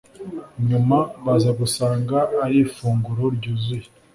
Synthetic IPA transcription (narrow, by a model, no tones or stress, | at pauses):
ɲumaβazaɡusaːŋɡaːɾiːfuːŋɡuɾo̞ɾɟuːzuji